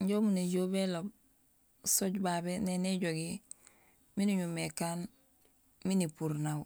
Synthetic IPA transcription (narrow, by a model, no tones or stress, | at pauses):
ɲɟomuneɟoːbelob | soɟbaːbeneneɟoɡi | miniɲumekaːn | minipuɾnaw